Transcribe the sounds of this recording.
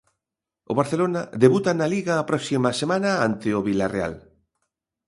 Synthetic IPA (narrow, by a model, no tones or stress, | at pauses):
ʊ̰βaɾθelonaðeβut̪analiɣaːpɾɔksimɐsemãnɐant̪ɪʊβilarea̰l